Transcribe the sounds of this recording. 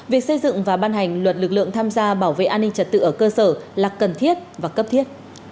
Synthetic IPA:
vi˨˩ək̚sə˧jzɨ̰˧˨ŋvaː˨˩ɓaː˧nɦa˨˩jŋ̟lwə˨˩t̚lɨ˨˩k̚lɨ̰˧˨əŋt̪ʰaː˧mzaː˧ɓaː˧˩wvḛ˧˨ʔaː˧nːï˧ŋ̟t͡ɕə˨˩t̚t̪ɨ̰˧˨ʔəː˧˩kəː˧səː˧˩laː˨˩kə˨˩nt̪ʰi˦˥ət̚vaː˨˩kə˦˥p̚t̪ʰi˦˥ət̚

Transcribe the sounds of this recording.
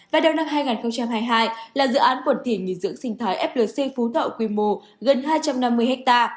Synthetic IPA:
vaː˨˩ɗə˨˩wna˧mɦaː˧jŋaː˨˩nxə˧wŋ͡mt͡ɕa˧mɦaː˧jɦaː˧jlaː˨˩zɨ̰˧˨ʔaː˨˦nkwə˧˩nt̪ʰi˧˩ŋi˧˨˩zɨ̰˧˥əŋsï˧ŋ̟t̪ʰaː˨˦jʔɛ˦˥p̚ləː˨˩si˧fu˨˦t̪ʰə̰˧˨wkwi˧mo˧˩ | ɣə˨˩nɦaː˧jt͡ɕa˧mna˧mːɨ˧əjhɛ˦˥k̚t̪aː˧

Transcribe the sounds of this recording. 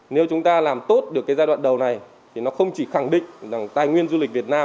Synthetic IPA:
ne˨˦wt͡ɕʊ˨˦ŋ͡mt̪aː˧laː˨˩mt̪o˦˥t̚ɗɨ˨˩əkːjzaː˧ɗwa̰ː˧˨nɗə˨˩wna˨˩j | t̪ʰi˨˩nɔ˨˦xə˧wŋ͡mt͡ɕi˧˩xa˧˩ŋɗḭ̈˧˨ŋ̟za˨˧˩ŋt̪aː˧˩jŋwi˧ənzu˧li˨˩k̟̚vi˨˩ət̚naː˧m

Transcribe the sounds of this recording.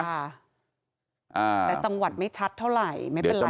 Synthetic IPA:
a˥˩ | ʔaː˧ɛː˨˩t͡ɕa˧ŋwa˨˩t̪̚ma˥˩jt͡ɕʰa˦˥t̪ʰːa˥˩wɾa˨˩jma˥˩e˧nla˨

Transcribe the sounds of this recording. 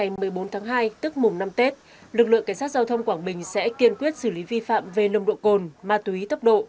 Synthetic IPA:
a˨˩jmɨ˨˩əjɓo˨˦nt̪ʰaː˨˦ŋɦaː˧jt̪ɨ˦˥ək̚mʊ˨˩ŋ͡mna˧mt̪e˦˥t̚ | lɨ˨˩k̚lɨ̰˧˨ka˧˩ŋsaː˦˥t̚za˧wt̪ʰə˧wŋ͡mkwaː˧˩ŋɓï˨˩ŋ̟sɛ̰˧˥k̪i˧ənkwi˦˥ət̚sɨ˧˩li˨˦vi˧fa̰ː˧˨mve˨˩lə˨˩ŋ͡mɗo̰˧˨ko˨˩nmaː˨˩t̪u˨˧˦i˨˦t̪ə˦˥p̚ɗo̰˧˨

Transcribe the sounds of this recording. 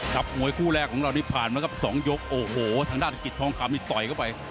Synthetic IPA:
kʰa˨˦˩p̚mu˧əjkʰuː˥˩lɛː˥˩kʰːɔː˩˦ŋɾa˧wniː˦˥˩pʰaː˨˩nmaː˧˥˦kʰa˧˥˩p̚sɔː˩˦ŋjo˦˥k̚ʔoː˨˩hoː˨˩t̪ʰaː˧ŋdaː˥˩t̪ʰa˧˥ki˨˩t̪ʰːɔː˧ŋkʰa˧mniː˥˩t̪ɔ˨˩jkʰa˥˩wpa˧j

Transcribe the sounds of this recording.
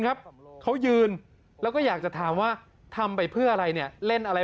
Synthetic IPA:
ŋkʰp̚kʰa˦˥wjɯː˧n | lɛː˦˥wkɔː˥˩jaː˨˩k̚t͡ɕa˨˩t̪ʰaː˩˦mwaː˥˩ | t̪ʰa˧mpa˧jpʰɯ˥˩ɐʔa˧ɾa˧jni˥˩ɐle˥˩nʔa˧ɾa˧

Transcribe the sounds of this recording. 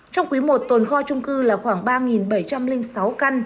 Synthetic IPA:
t͡ɕɔ˧wŋ͡mkwi˨˦mo˨˩t̚t̪o˨˩nxɔ˧t͡ɕʊ˧ŋ͡mkɨ˧laː˨˩xwaː˧˩ŋɓaː˧ŋi˨˩nɓə˧˩jt͡ɕa˧mlï˧ŋ̟sa˨˦wka˧n

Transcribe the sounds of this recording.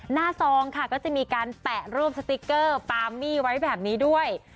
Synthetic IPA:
naː˥˩sɔː˧ŋkʰa˥˩kɔː˥˩t͡ɕa˨˩miː˧kaː˧np̪ɛ˨˩ʔɾuː˥˩əp̚sa˧t̪i˦˥kːɤː˥˩paː˧mːiː˥˩wa˦˥jbɛː˨˩p̚niː˦˥du˥˩əj

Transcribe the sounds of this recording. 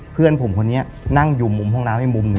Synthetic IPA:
pʰɯ˥˩ənpʰo˩˦mkʰo˧nːi˦˥ɐ | na˥˩ŋju˧˩mːu˧mɦɔ˥˩ŋnaː˦˥mha˥˩jmu˧mnɯ˧

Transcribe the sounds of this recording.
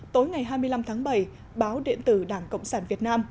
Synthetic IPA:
t̪o˨˦jŋa˨˩jɦaː˧jmɨ˧əjla˧mt̪ʰaː˨˦ŋɓə˧˩j | ɓaː˨˦wɗḛ˧˨ənt̪ɨ˧˩ɗaː˧˩ŋkə̰˧˨wŋ͡msaː˧˩nvi˨˩ət̚naː˧m

